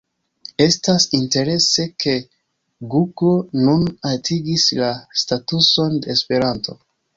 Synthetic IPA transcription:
e̞stasinte̞ɾe̞se̞kʰe̞ | ɡuɡo̞nunatʰiɡislastatuso̞ndeːspe̞ɾanto̞

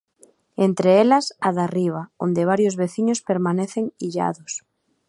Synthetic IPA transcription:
ent̪ɾeelasaðariβ̞aond̪eβ̞aɾjozβeθiɲospeɾmãneθeŋiʎa̰ðos

